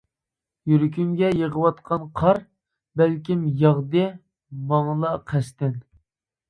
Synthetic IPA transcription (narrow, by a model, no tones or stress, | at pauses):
jyɾk̬ʲymɡʲɛjəʁəwɑt̪̚qʰɑnqʰɑɾ | bælkʲimjɑʁd̪ɨ | mɑŋlˠɑqʰɛʃt̪ɪn